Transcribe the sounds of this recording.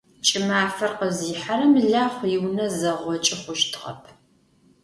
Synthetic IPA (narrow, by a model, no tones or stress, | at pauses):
t͡ʃʼɪmaːfɐrqəziːħaɾɐmɨɮaːχʷjɪwnɐzɐʁʷɔt͡ʃʼɪχʷʊʃtʰʁɐ̰pʰ